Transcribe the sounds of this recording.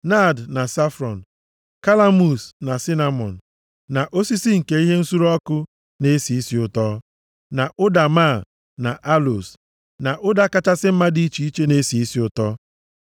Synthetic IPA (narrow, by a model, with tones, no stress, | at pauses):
na˦˨dna˨sa˦fɾɔ˨n̩˨ | ka˦la˦mu˨sna˨si˦na˦mɔ˨n̩˨ | na˨ʔo˦si˦si˦ŋ̩˨ke˨˦i˦ɦe˦n̩˦su˦ɾɔ˦kʊ˦ | ne˦si˨i˦si˨˦ʊ˨tɔ˦ | na˨ʔʊ˦da˨ma˦˨ | na˨ʔa˦lo̰˨s | na˨ʔʊ˦da˦ka˦t͡ʃa˦sɪ˦m̩˦ma˦di˦t͡ʃi˨i˦t͡ʃe˦ne˦si˨i˦si˦ʊ˨tɔ˦